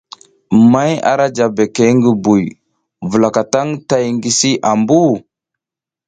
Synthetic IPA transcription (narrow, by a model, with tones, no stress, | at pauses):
ma˦ja̰˨ɾa˦d͡ʒa˨be˨ke˨˦ŋɡi˨bu˨j | və˨la˨ka˨ta˦ŋta˦jŋɡi˨si˦ʔa˨mbu˦